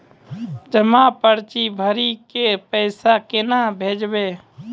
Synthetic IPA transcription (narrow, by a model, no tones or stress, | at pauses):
d͡ʒəmapəɾt͡ʃibʱəɾikepəɪsakɪnabʱeːd͡ʒbeː